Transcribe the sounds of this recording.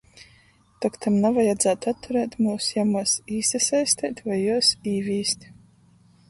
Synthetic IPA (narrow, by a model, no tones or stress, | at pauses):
t̪akt̪ʰamnavajad̪zæːt̪at̪ːuɾɛːt̪ʲmuːsjamuɔsiːsɛsajsʲt̪ʲɛːt̪ʲvajːuɔsiːvʲiːst̪ʲ